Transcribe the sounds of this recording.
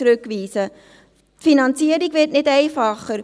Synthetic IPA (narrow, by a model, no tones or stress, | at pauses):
ɾɵkʋiːsə | tfinɑnt͡siəɾiɡʋɪtnɪdɛɪfɑχəɾ